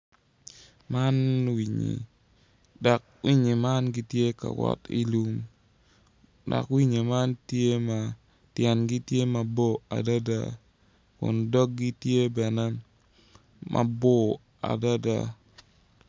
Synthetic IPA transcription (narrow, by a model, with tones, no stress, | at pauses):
ma˦nwi˨ɲḭ˨ | da˨k̚ | wi˦ɲi˨ma˦nɡi˦tje˦ka̰˨wɔ̰˦ti˦lu˦m | dɔ̰˨kwi˦ɲi˨ma˦ntje˦ma˨ | tjɛ˨nɡi˦tje˦ma˨bo˦a̰˨da˦da̰˦˨ | kʊ̰˨ndɔ˦k̚ɡi˦tje˦bɛ˨nɛ˦ | mʔa̰˨bo˦ | a̰˨da˦da̰˨